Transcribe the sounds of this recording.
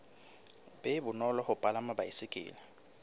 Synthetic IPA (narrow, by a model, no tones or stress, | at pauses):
bɛbʊnɔlɔhʊpʼalamabaisɪkʼɪ̰ːlɛ